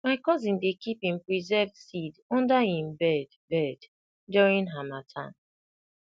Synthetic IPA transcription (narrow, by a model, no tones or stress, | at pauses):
maɪkɔzĩndekʰipĩmpɹizɛvsidɔ̃ndahĩmbɛd | bɛd | dɔɹĩnɦamatʰã̰n